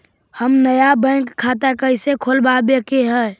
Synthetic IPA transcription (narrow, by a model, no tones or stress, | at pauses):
həmnəjabə̃ɪŋkʰːat̪akəɪsekʰolbabjəkeɦɛː